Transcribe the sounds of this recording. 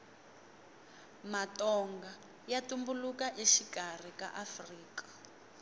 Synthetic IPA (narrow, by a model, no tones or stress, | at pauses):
matɔŋɡa | jatumbulukaʔeʃiɡar̤ika̰ʔafriːkḁ